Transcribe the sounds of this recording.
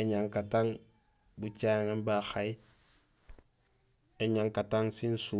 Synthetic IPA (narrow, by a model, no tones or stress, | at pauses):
eɲaŋkataŋ | but͡ʃaːŋembaxaj | eɲaŋkataŋsinsu